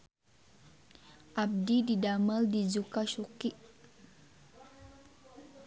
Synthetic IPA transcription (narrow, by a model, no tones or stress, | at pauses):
ʔab̚dididaməldid͡ʒukaʃukiʔ